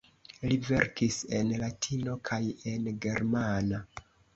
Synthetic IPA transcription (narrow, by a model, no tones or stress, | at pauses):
live̞̰ɾkise̞nlatʰino̞kʰaje̞nɡe̞ɾmana